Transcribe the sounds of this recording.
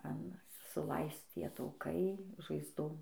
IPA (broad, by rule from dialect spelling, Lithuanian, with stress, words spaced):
ɐn sʊˈlˠɐɪst͡s ˈtʲiɛ tɐʊˈkɐɪ ʒɐɪzˈdoːm